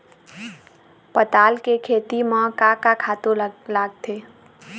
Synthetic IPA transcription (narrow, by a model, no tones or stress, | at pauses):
pət̪aːlkekʰeːt̪imə̃kakakʰaːt̪õlaːɡ̚t̪ʰeː